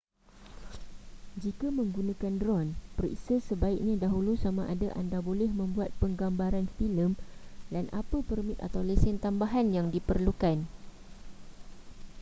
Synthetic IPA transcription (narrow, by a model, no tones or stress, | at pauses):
d͡ʒikamə̃ŋɡunãkandrɔnpərḭsəsəbaik̚ɲãdaɦulusamãʔadaʔa̰ndabolɛhmə̃mbuat̪̚pəŋɡambaɾanfiləmdanʔapəpərmĩt̪a̰t̪awlɛsɛnt̪ambaɦanjaŋdipərlukan